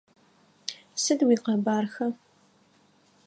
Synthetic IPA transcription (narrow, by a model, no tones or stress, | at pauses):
sɨdwiːqɐbaːrxɐ